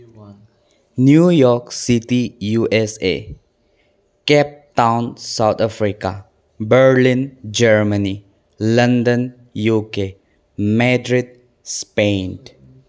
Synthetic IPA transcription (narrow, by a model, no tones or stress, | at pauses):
njujɔksitijuʔɛsḛ | kɛp̚tãʊ̃nsawt̪afɹika̰ | bəɹlĩnd͡ʒɛɹməni | lʌ̃ndə̃n | juke | mɛdɹid̚ | spẽnd